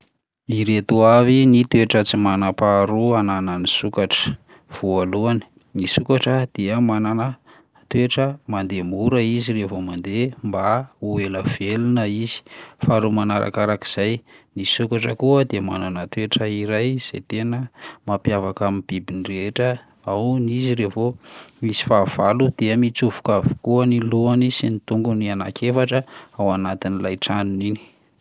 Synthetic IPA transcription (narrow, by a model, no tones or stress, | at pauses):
iɾet̪uavinit̪weʈ͡ʂət͡simanapaɾuanananisukaʈ͡ʂə̥ | v̥ualuani̥ | nisukaʈ͡ʂəd̪̥eəmananə | t̪weʈ͡ʂəmand̪emuɾəiziɾevomand̪embaueləv̥elunəiz̥i̥faɾumanaɾʔa̰kaɾaki̥z̥ajnisukaʈ͡ʂəkuəd̪ema̰nanat̪eʈ͡ʂəiɾajz̥ḛt̪enəmapjavakamib̥ibinireʈ͡ʂə | awniziɾevomisi̥faːv̥alud̪̥eəmit͡suvu̥kavu̥kuəniluanisinit̪uŋɡuniana̰kʰefaʈ͡ʂəawanat̪inilajʈ͡ʂanunini̥